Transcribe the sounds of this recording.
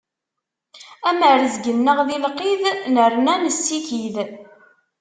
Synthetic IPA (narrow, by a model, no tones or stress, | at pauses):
æməɾəzɡənːəʁðilqiðnəɾnænəsːikið